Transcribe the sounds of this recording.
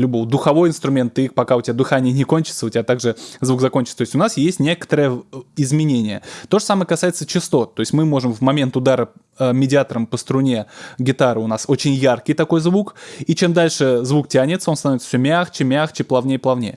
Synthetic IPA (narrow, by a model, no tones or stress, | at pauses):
lʲʊbo̞vəd̪ʊxɐvo̞jɪnst̪ɾʊmʲe̞nt̪ːɨik̚pɐkaʊtʲɪbʲad̪ɨxanʲɪjənʲɪkonʲt͡ɕɪt̪səʊtʲɪbʲat̪aɡʐɨzvuɡzɐkonʲt͡ɕɪt̪t̪oɪsʲʊnasjesʲtʲnʲe̞kə̥t̪əɾəjəɪzmʲɪnʲenʲɪjət̪o̞ʐəsaməjəkɐsajɪt̪sət͡ɕɪst̪o̞t̪̚t̪ːo̞ɪsʲtʲmɨmo̞ʐɨmvmɐmʲe̞nt̪ʊd̪aɾə | əmʲɪdʲɪat̪əɾəmpəst̪ɾʊnʲe̞ɡʲɪt̪aɾɨʊnaso̞t͡ɕɪnʲjarkʲɪjt̪ɐko̞jzvukit͡ɕe̞md̪alʲʂɨzvuk̚tʲanʲɪt̪səot̪ɐnovʲɪt̪səfsʲomʲaxt͡ɕɪmʲaxt͡ɕɪplˠɐvnʲejəplˠɐvnʲejə